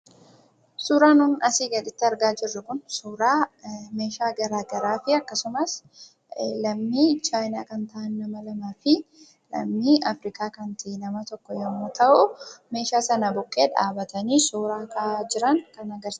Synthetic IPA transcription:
suːɾaːnʊnɐsiːɡɐᶑɪt̪ːɪɐɾɡaːd͡ʒɪrːɐkʊnsuːɾaːme̞ːʃaːɡɐɾaːɡɐɾaːfɪɐkːɐsʊmɐs | lɐmːiːt͡ʃaːjnaːkɐnt̪ɐaʔɐnːɐmɐlɐmaːfɪ | lɐ̰mːiːɐfɾɪkaːkɐnt̪ʰɪnɐmɐt̪ɔkːɔjɔmːoːt̪ʰɐʔʊme̞ːʃaːsɐnɐbɔkʼːeːᶑa̰ːbɐt̪ɐniːsuːɾaːkʰad͡ʒɪɾɐŋkɐnɐɡɐɾs

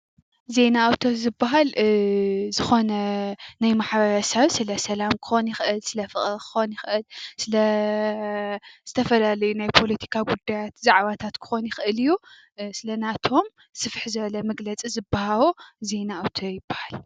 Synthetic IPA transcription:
ze̞naːwt̪ʰo̞zɨbːaɦal | zɨxo̞nɐnajmaħbɐɾɐsɐβsɨlɐsɐlamkʰɨ̥xo̞njɪxʔɨlsɨlɐfɨχʼɾkʰɨ̥xonjɪxʔɨlsɨlɐ | z̥ɨt̪ʰɐfɐlalɐjunajpʰo̞lɐt̪ʰi̥kʰaɡud̪ːajat̪zaʕβat̪ʰat̪kʰɨ̥xo̞njɪxʔɨlɨjːu | sɨlɐnat̪ʰo̞m | sɨfħzɨβɐlɐmɐɡlɐt͡sʼizɨbːahaβoze̞naawt̪ʰojɪbːahal

